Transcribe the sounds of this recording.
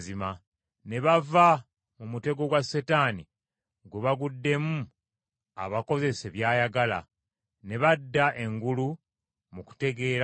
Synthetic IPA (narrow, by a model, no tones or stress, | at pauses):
zima | ne̞βava | mumute̞ɡo̞ɡwasetaːni | ɡwuβaɡudːe̞mu | a̰βako̞ze̞se̞βjaːjaɡala̰ | ne̞βadːaʔe̞ŋɡulu | muku̥te̞ɡe̞ːɾa